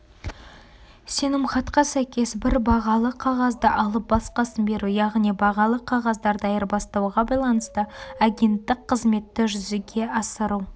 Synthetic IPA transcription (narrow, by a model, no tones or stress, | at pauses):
se̞nɪmχɑt̪qɑsæjkʲe̞sbɪɾbɑʁɑlˠəqʰɑʁɑzd̪əʔɑlˠəp̚bɑsqɑsənbe̞ɾujɑʁnijbɑʁɑlˠəqʰːɑʁɑzd̪ɑɾd̪ɑjəɾbɑst̪ɑwʁɑbɑjlˠɑnəst̪əaɡʲe̞nt̪ːɪqqʰːəzme̞t̪ːɪʒʏzɪɡʲe̞ɑsəɾu